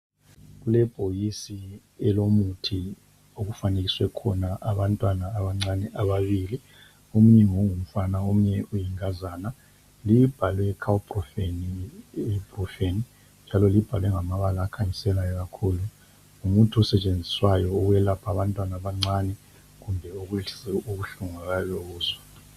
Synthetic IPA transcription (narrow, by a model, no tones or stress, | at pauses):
ɣulɛb̥ʱojisi | ɛlomutʰi | oɣufaneɣiswɛkʰɔnaʔaβantʼwanaːβaŋ͡ǀanɛʔaβaβili | um̩ɲɛŋoŋum̩fanaomuɲɛʔujiŋazaːna | lib̥ʱalwɛkʰawupʼrɔfeni | b̥rɔfeni | nd͡ʒʱalɔlib̥ʱalwɛŋamaβalaːkʰaɲisɛlajɔɣakʰulu | umutʰuɔsɛt͡ʃʼend͡zʱi̥swajɔuɣujɛlapʰaβantʼwanaβaŋ͡ǀanɛ | ɣumbʱɛuɣuɛuɣuɬuŋaɣajɔɣuːzwa